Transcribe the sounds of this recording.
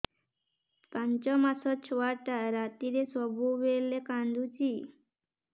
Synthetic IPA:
pãɲt͡ʃɔmasɔt͡ʃʰʋaʈaɾat̪iɾesɔbuʋelekand̪ʱut͡ʃi

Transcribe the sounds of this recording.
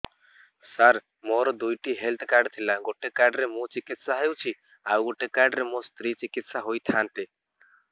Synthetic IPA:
saɾ | moɾɔd̪ujʈiɦelt̪ʰkaɾɖt̪ʰilaɡoʈekaɾɖɾemũt͡ʃikit̪saɦəut͡ʃʰi | awɡoʈekaɾɖɾemost̪ɾit͡ʃikit̪saɦojt̪ʰãːnt̪e

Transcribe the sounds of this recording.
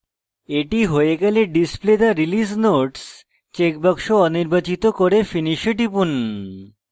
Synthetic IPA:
eʈiɦojeɡɛleɖispled̪aɾilisnoʈs | t͡ɕekbəkʃoɔniɾbat͡ɕit̪okoɾefiniʃeʈipun

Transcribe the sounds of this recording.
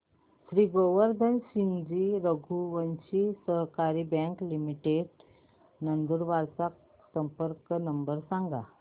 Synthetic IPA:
ɕɾiːɡoʋəɾd̪ʱənɕiɲd͡ʑiɾəɡʱuʋənɕisəɦkaɾibɛ̃ŋklimiʈeɖ | nənd̪uɾʋaɾt͡sak̚ | səmpəɾknəmbəɾsãŋɡa

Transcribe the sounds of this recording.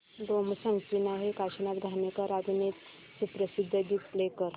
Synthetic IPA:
d̪omsəŋkinaɦekaɕənat̪̚d̪ʱanekaɾad̪net̪ | sipɾəsid̪ʱːəɡiːt̪plekəɾ

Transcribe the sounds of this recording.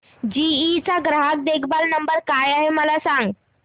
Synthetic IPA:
d͡ʑiːt͡saɡɾaɦak̚d̪ekʰbalnəmbəɾkajaɦeməlasãŋɡ

